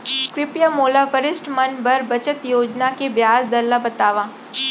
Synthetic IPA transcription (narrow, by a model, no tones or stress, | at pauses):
kɾɪpjamoːlapəɾɪsʈmɐnbɐɾbɐt͡ʃət̪joːd͡ʒnakebjaːsd̪ɐlːabɐt̪aːʋãː